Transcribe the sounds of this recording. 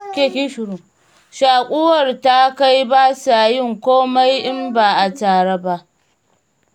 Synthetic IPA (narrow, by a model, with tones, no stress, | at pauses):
kʲe˨kʲɪ˦ʃɾu˨ | ʃaː˨kʷʼʊ˦wɐ˨rta˦ka˦jbaː˦sa˨jɪ˦˨ŋkʷoː˦ma˦jʔɪ˦mbaː˨ʔa˨taː˨ɽe˦ba˦ʔ